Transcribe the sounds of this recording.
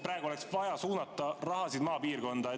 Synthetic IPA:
prɾɑːɡulɛksvɑjɑsuːnɑt̪ːˑɑrɑɦɑsid̪mɑːpiːrko̞nd̪̥ɑ

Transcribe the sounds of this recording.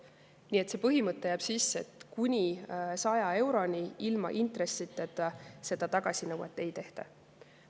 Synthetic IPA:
niːe̞t̪se̞ːpɤɦimɤt̪ːe̞jæːb̥sisːe̞t̪kunʲisɑjɑe̞wɾo̞nʲiilmɑ̰ʔint̪ɾe̞sːit̪ːˑet̪ːse̞d̪̥ɑt̪ɑɡ̥ɑsʲinɤwɑ̰t̪ːˑe̞jt̪e̞ht̪ɑ̰

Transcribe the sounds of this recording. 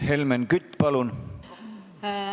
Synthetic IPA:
helmenkyt̪ʲːpɑlun

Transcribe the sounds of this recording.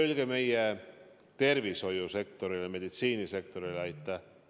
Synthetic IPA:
ylɡ̥eme̞je | t̪e̞rviso̞juse̞kt̪o̞ɾileme̞d̪̥it̪siːnise̞kt̪o̞ɾileɑjt̪ˑːɑ

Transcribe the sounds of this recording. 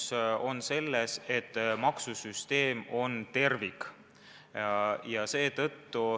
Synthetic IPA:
so̞nse̞lːeset̪ːmɑksusyst̪e̞ːmo̞nt̪e̞rvik | jɑse̞ːt̪ɤt̪ːu

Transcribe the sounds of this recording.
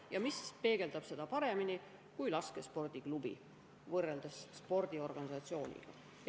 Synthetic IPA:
jɑmispe̞ːɡ̥e̞ld̪̥ɑb̥se̞d̪̥ɑpɑɾe̞mini | kujlɑskespo̞rd̪̥iklubḭ | vɤrːeld̪̥ɑsːpo̞rd̪̥io̞rɡ̥ɑnisɑt̪sio̞ːnʲḭɡ̥ɑ̰

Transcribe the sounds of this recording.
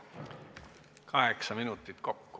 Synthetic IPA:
kʰɑɦe̞ksɑminut̪ːˑit̪ko̞kːu̥

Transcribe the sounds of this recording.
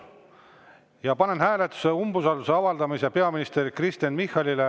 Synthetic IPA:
jɑpɑne̞nhæːlet̪ːˑu̥seumbusɑluse̞ɑvɑld̪̥ɑmisepe̞ɑminist̪e̞rkrist̪jɑnmihːɑlʲile

